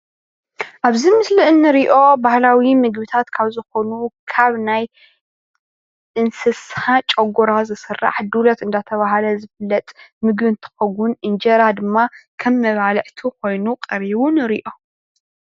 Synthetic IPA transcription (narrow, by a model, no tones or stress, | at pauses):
ʔaβzimɨslɨʔɨnːɨɾiʔo̞bahlawimɨɡβɨt̪ʰat̪kʰaβzɨxo̞nukʰaβnaj | ʔɨnsɨshat͡ʃʼɐɡuɾazɨsɨrːa̰ħd̪ulɐt̪ɨnd̪at̪ʰɐβaɦlɐzɨflɐt̪ʼmɨɡβɨnt̪ʰɨ̥xɐɡunʔɨnd͡ʒɐɾad̪ɨmːakʰɐmːɐβalʕt̪ʰukʰo̞jnuqʼɐɾiβunɨɾiʔo̞